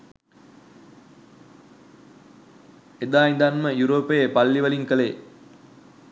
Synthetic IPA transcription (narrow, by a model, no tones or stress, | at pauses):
ed̪aːind̪anməjuɾoːpəjepalːiʋəliŋkəle